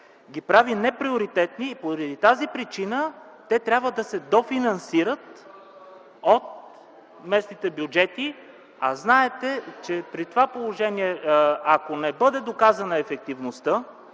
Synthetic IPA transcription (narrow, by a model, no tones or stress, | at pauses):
ɡʲipɾavinɛpɾioɾit̪ɛt̪niːpoɾəd̪it̪azipɾit͡ʃinə | t̪ɛt̪ɾʲabvəd̪ɐsɛd̪ofinɐnsiɾət̪ | ot̪̚ | mɛsnit̪ɛbjud͡ʒɛt̪i | a̰znaɛt̪ɛt͡ʃɛpɾit̪ovapolˠoʒɛniɛakonɛbɤd̪ɛd̪okazɐnəɛfɛk̚t̪ivnost̪ə